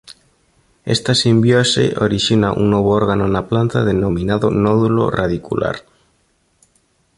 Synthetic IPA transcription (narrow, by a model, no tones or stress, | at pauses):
ḛst̪asimbjosḛʔoɾiʃinaʔṵŋnoβ̞ooɾɣanonaplant̪aðenominaðo̰nɔðulo̰raðikulʔa̰ɾ